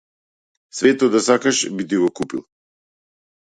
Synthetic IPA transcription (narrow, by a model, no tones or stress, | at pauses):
sʋeːt̪ɔd̪asakaʃbit̪iɡɔkupil